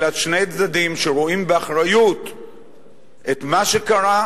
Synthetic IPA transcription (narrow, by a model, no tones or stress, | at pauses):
latʃnejt͡sd̪ad̪imʃeʁoimbeaχʁajut̪ | et̪maʃe̞kaʁa